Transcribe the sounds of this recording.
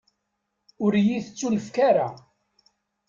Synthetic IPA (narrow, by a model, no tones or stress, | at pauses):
ʊɾjiθət͡sːuləfkaɾa